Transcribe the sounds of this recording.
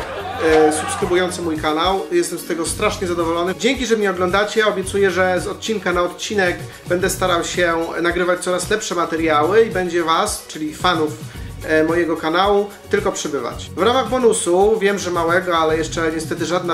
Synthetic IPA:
supskɾɘbujɔnt̪sɘmujkanawjɛst̪ɛmst̪ɛɡɔst̪ɾaʂɲɛzad̪ɔvɔlɔnɘd͡ʑeŋkʲiʐɛmɲɛɔɡlɔnd̪at͡ɕɛɔbʲjɛt̪sujɛʐɛzɔt̪̚t͡ɕiŋkanaɔt̪̚t͡ɕinɛɡ | bɛnd̪ɛst̪aɾawɕɛnaɡɾɘvat͡ɕt̪sɔɾaslɛpʂɛmat̪ɛɾjawɘibɛɲd͡ʑɛvast͡ʂɘlʲifanufmɔjɛɡɔkanawut̪ɘlkɔpʂɛbɘva̰t͡ɕvɾamaɣbɔnusuvʲjɛmʐɛmawɛɡɔalɛjɛʂt͡ʂɛɲɛst̪ɛt̪ɘʐad̪na

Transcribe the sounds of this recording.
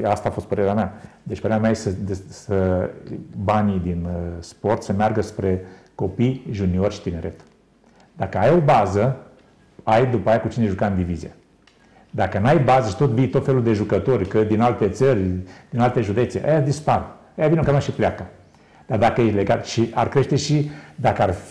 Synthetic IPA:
ast̪aːfo̞st̪pəɾe̞ɾeamea | d̪et͡ʃʲpəɾeameajesəd̪esə | banid̪inspo̞rt̪səmearɡəspɾe̞ko̞pijʒuniorʲʃi̥t̪ine̞ɾʔe̞t̪ | d̪akəajo̞bazə | ajd̪upaajakut͡ʃineʒukaɨnd̪ivizḭḛ | d̪akənuajbazəʃit̪o̞t̪vijt̪o̞t̪fe̞luld̪e̞ʒukət̪o̞rʲkəd̪inalt̪e̞t̪sərʲd̪̥inalt̪e̞ʒud̪e̞t̪sḛʔa̰jad̪ispaɾ | ajavineokammaʃipleaka | d̪̥ard̪akəjeleɡat̪ʃia̰rkɾe̞ʃt̪e̞ʃid̪akəar

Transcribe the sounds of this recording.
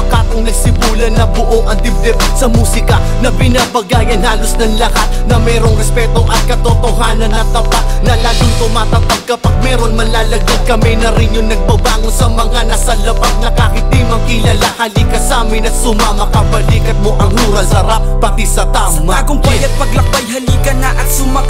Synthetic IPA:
ɐkaːt̪oŋnɐɡsɪmuːlɐnɐbʊʔoŋʔɐnt̪ɪbd̪ɛw | sɐmuːsɪkɐ | nɐbɪnabɐɡaːjɐnhaːlosnɐŋlɐhat̪̚nɐmɛːɾoŋɾɛspɛt̪oʔɐt̪̚kɐt̪ot̪oɦaːnɐnɐt̪ːɐbaʔnɐlaːɡʊŋt̪ʊmaːt̪ɐt̪ɐɡ̚kɐpɐɡ̚mɛːɾonmɐlaːlɐɡɐd̪̚kɐmɛnɐɾɪŋjʊŋnɐɡ̚bɐbaːŋonsɐmɐŋanɐsɐlɐbat̪̚nɐkakɪt̪imɐkɪlɐlahalikɐsaːmɪnɐt̪sʊmamɐpɐbɐliːkɐt̪̚mo̞ʔɐŋhuːɾɐsɐɾap̚pːɐt̪isɐt̪aːʔomkʊŋbajɐt̪̚pɐɡlɐk̚bɐjɦɐliːkɐnɐʔɐt̪sʊmɐ

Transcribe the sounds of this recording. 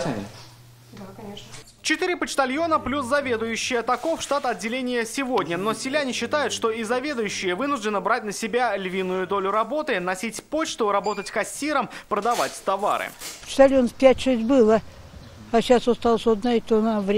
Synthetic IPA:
d̪kɐe | t͡ɕɪt̪ɨɾʲɪpət͡ɕt̪ɐlʲjo̞nəplʲuszɐvʲe̞d̪ʊjʉɕːɪjət̪ɐkofʂt̪at̪ɐd̚dʲːɪlʲenʲɪjəsʲɪvo̞dʲnʲəno̞sʲɪlʲanʲɪɕːɪt̪ajʊt̪ʂt̪o̞izɐvʲe̞d̪ʊjʉɕːɪjəvɨnʊʐd̪ʲɪnəbɾat̚ʲnəsʲɪbʲalʲvʲinːʊjʊd̪o̞lʲʊɾɐbo̞t̪ɨnɐsʲitʲpo̞t͡ɕt̪ʊɾɐbo̞t̪ətʲkɐsʲːiɾəmpɾəd̪ɐvatʲt̪ɐva̰ɾɨ̰pə̥t͡ɕt̪ɐlʲjonəfpʲætʲʂɛsʲtʲbɨlˠə | aɕasost̪alˠsʲod̪naɪt̪onavɾʲ

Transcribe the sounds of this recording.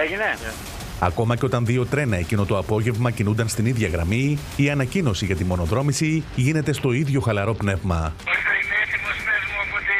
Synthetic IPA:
eʝine | ɐ̰ko̞mɐceo̞t̪ɐnðio̞t̪ɾe̞nɐe̞cino̞t̪o̞ɐpo̞ʝe̞vmɐcinund̪ɐnst̪iniðʝɐɣɾɐmiː | ɐnɐcino̞siʝɐt̪imo̞no̞ðɾo̞misiʝine̞t̪e̞st̪o̞iðʝo̞xɐlɐɾo̞pne̞vmɐosɐint̪imosevmopot̪i

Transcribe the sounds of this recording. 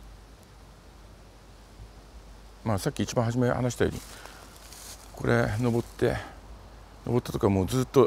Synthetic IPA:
maːsakʲːiːt͡ɕibãɦaʑimeha̰naɕi̥t̪ajo̰ːɲ̟ḭ | ko̞ɾe̞no̞bo̞t̪ːe̞̰ | no̞bo̞t̪ːat̪o̞kaβmoːd͡zɨːt̪ːo̞

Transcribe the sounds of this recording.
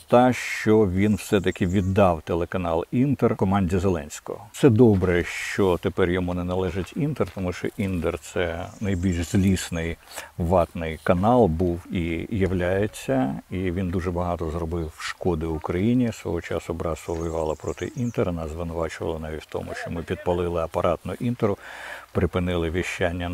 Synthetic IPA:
t̪ɑʃt͡ʃɔʋʲinwsɛt̪̬ɐkʲɪʋʲid̪ːɑwt̪elˠekɐnɑlˠint̪erkɔmɑnʲdʲizelˠɛ̰nʲsʲkɔ̰ɔt̪sɛd̪ɔbɾɛʃt͡ʃɔt̪epɛrjɔmunɛnɐlˠɛʒɐtʲint̪ert̪ɔmuʃt͡ʃɔ̰ʔind̪ert̪sɛnɐjbʲilʲʃz̥ʲlʲisnɪjʋɑt̪nɪjkɐnɑlˠbuwijɐwlʲajet͡sʲːɐiʋʲind̪uʐɛbɐɦɑt̪ɔzrɔbɪwʃkɔd̪ɪʊkɾɐjinʲisʋɔ̰ɦɔt͡ʃɑ̰sʊbɾɑsʊʋɔjʊʋɑlˠɐpɾɔt̪ɪ̰ʔint̪eɾɐnɑzʋɪnʊʋɑt͡ʃʊʋɐ̰lˠɐnɑʋʲitʲwt̪ɔ̰mʊ̰ʃt͡ʃɔmɪpʲid̪̚pɐlˠɪlˠɪɐpɐɾʔɑt̪nɔʔint̪eɾʊpɾɪpɪnɪlˠɪʋʲiʃt͡ʃːanʲːɐ

